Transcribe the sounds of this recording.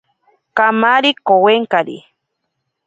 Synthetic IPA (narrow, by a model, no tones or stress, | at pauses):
kamaɾikoweŋkaɾḭ